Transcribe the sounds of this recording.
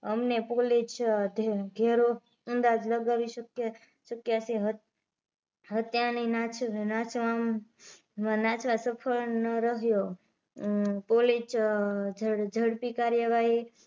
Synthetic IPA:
əmnepolit͡ʃd̪ʱɡʱeɾo | ənd̪ad͡ʒləɡaʋiʃəkj | ʃəkjaseɦ | ɦət̪janinat͡ʃʰnat͡ʃʋam | mãnat͡ʃʰʋãsəpʰəɭnəɾəɦjo | polit͡ʃd͡ʒəɽd͡ʒʱəɽpikaɾjəʋaɦi

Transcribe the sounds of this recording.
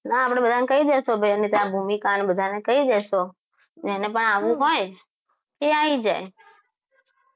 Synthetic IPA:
naːpɽ̃ebəd̪ʱanekəid̪eʃobʱəjənit̪abʱumikanbəd̪ʱanekəid̪ɛʃo | d͡ʒenepəɳaʋũɦoj | keaid͡ʒaj

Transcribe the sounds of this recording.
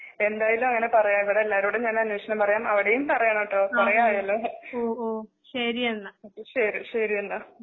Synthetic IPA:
e̞nd̪aːjɐlumɐŋːɐnepɐrɐjaːiʋiɽeːlːaːɾuːɽeɲaːnɐnjoːʂɐnɐmpɐrɐjaːmɐʋiɽejumpɐrɐjɐɳoʈːoːpɐrɐjajɐlːoːoːoː | ɕɐɾiɐnːɐɕɐɾiɕɐɾijɐnːɐ

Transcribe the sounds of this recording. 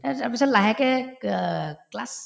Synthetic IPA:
apisalaɦɛkɛ | klas

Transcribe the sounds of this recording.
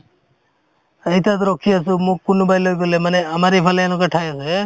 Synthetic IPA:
eit̪at̪̬ɔɾɔkʰias̬umukːunɔbajlɔɡɡɔlemaneamaɾejpʰaleːlɔkaʈʰajasue

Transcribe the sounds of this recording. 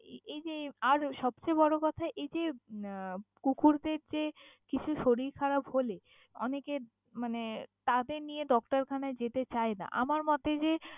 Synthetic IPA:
ejd͡ʑeaɾʃɔb̚t͡ɕebɔɽokɔt̪ʰaeʔejd͡ʑe | kukʰuɾd̪eɾd͡ʑekit͡ɕʰuʃoɾiɾkʰaɾabɦole | ɔ̰neke | manet̪ad̪eɾnijedɔk̚ʈaɾkʰanaed͡ʑet̪et͡ɕaena̰ʔa̰maɾmɔt̪ed͡ʑe

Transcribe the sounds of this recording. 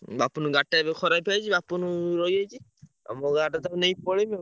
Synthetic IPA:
bapunuɡaʈaebekʰɔɾajpʰajt͡ʃʰibapunuɾɔjajt͡ʃʰi | a̰moɡaʈat̪ɔnejpɔɽime

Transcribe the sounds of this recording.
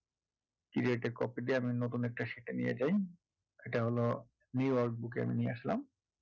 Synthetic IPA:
kiɾieʈeɾkɔpid̪ieaminot̪unɛk̚ʈaʃeʈenijḛd͡ʑaj | eʈaɦolo | njujɔɾk̚buk̬ea̰minijeaʃla̰m

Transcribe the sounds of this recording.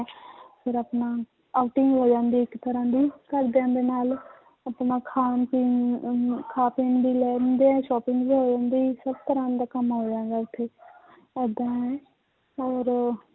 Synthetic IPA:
pʰɪɾapnaː | aːuʈɪŋɡɦoːd͡ʒãːnd̪iːɪkt̪əɾãːd̪iːkəɾd̪eãːnd̪eːnaːl | apnãːkʰaːnpiː | kʰaːpɪŋɡbiːlɛːãnd̪eːɛ̃ːʃɔːpɪ̃ŋɡbiːɦoːd͡ʒãːnd̪iːsəb̚t̪əɾãːd̪aːkəmɦoːd͡ʒãːnd̪aːʊt̪ʰːeː | ɛːd̪ãːɦɛ̃ː | ɔːɾ

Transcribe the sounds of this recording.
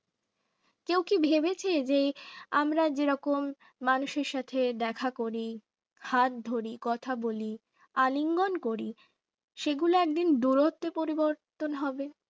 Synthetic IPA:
kewkibʱebet͡ɕʰed͡ʑeamɾad͡ʑeɾɔkomː | anuʃeɾʃat̪ʰed̪ɛkʰakoɾi | hat̪̚d̪ʱoɾikɔt̪ʰaboli | aliŋɡonkoɾi | ʃeɡuloɛk̚d̪ind̪uɾot̪ːepoɾiboɾt̪onɦɔbe

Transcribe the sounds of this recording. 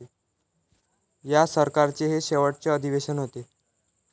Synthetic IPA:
jasəɾkaɾt͡seɦeɕeʋəʈ̚t͡seəd̪ʱiʋeɕənɦot̪e

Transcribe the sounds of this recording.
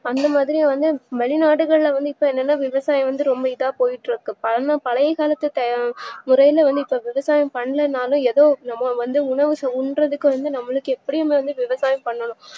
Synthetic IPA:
ɐnd̪ɐmaːðɪɾɪjãʋɐnd̪ɯʋɐɭɪnaːɽɯɣɐɭɪlɐʋɐnd̪ɯɪpːoːɛnːɛnːaːʋɪʋɐsaːjɐ̃ʋɐnd̪ɯɾɔmbɐɪðaːpoːjɪʈːɪɾɯkːɯpɐɐnapɐlɐjɐkaːlɐt̪ːɯt̪ɐmʊɾɐjɪlɐʋɐnd̪ɯɪpːoʋɪʋɐsaːjɐ̃pɐɳːɐlɐnaːlʊ̃ɛðoːnɐmːɐʋɐnd̪ɯʊɳɐʋɯsɐʊɳrɐðɯkːɯ̃ʋɐnd̪ɯnɐmːɐɭɯkːɯɛpːɐɽɪjɐmeʋɐnd̪ɯʋɪʋɐsaːjɐpɐɳːɐlʊ̃

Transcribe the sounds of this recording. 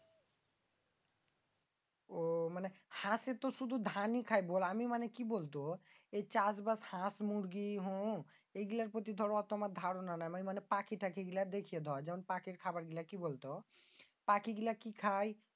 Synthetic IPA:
omanehãset̪oʃud̪ʱud̪ʱanikʰajbolamimanekibolt̪̬oejt͡ɕasbashãsmuɽɡiɦo | ejɡilaɾpɾot̪̬id̪ʱɔɾɔt̪ɔmad̪ʱaɾonanajmanimanepakʰiʈakʰeɡilad̪ekʰijed̪ʱɔd͡ʑɛmonpakeɾkʰabaɾɡilakibolt̪o | pakiɡilakikʰaj

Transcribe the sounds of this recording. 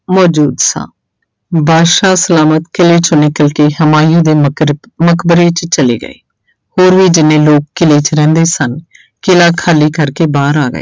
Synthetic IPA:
mɔːd͡ʒuːd̪sã̰ː | bʱaːʃaːsəlaːmət̪kɪleːt͡ʃonɪkəlkeːɦəmaːijõːd̪eːməkbəɾeːt͡ʃt͡ʃəlḛːɡə̰ḛː | hoːɾʋiːd͡ʒɪnẽːloːkːɪleːt͡ʃɾɛ̃ːnd̪eːsən | kɪlaːkʰaːliːkəɾkeːbaːɾaːɡə̰ḛː

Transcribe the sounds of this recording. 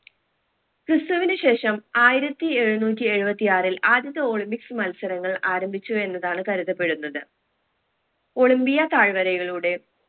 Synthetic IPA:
prɨst̪uʋinɨɕe̞ːʂɐmaːjiɾɐt̪ːie̞ɻunuːt̬ːie̞ɻubɐt̪ːijaːrilʔaːd̪jɐðɐo̞ːɭimbiksɨmɐlsɐɾɐŋːɐɭaːɾɐmbʱit͡ɕːue̞nːɐðaːɳɨkɐɾuðɐpːe̞ɽunːɐðɨ | o̞ɭimbijɐt̪aːɻʋɐɾɐjɣɐɭuːɽe̞

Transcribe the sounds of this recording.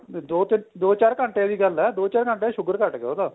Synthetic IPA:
d̪oːt̪ɪnd̪oːt͡ʃaːɾkəɳʈẽːd̪iːɡəlɛːd̪oːt͡ʃaːɾkəɳʈeːʃʊɡəɾkəʈkeoːd̪aː

